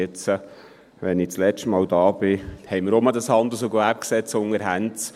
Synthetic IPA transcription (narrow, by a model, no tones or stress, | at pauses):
ɪt͡sə | ʋɛnɪt͡slɛt͡ʃtmɑːld̥ɑːb̥ɪhɛɪmɪɾɔməd̪ɑshɑnd̪ləs̬oɡæp̚ksɛt͡sʊŋəɾɦænt͡s